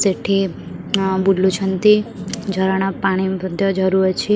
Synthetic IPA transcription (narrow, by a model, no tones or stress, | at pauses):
seʈʰi | buɖlut͡ʃʰənt̪id͡ʒʱəɾaɽ̃apaɽ̃ibəd̪ʱjɔd͡ʒəɾuɾt͡ʃʰi